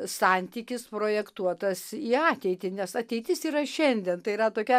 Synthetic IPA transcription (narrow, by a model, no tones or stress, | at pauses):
sɑnʲt̪ʲiːkʲɪspɾoːjɛkt̪uɔt̪ɐsiːɑːt̪ʲɛɪt̪ʲɪnʲɛsɐt̪ʲɛɪt̪ʲɪsiːɾɐʃʲɛnʲd̪ʲɛnt̪ɐɪiːɾɐt̪oːkʲɛ